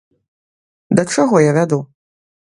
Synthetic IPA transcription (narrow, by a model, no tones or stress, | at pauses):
d̪ɐt͡ʂaɣɔjavʲad̪u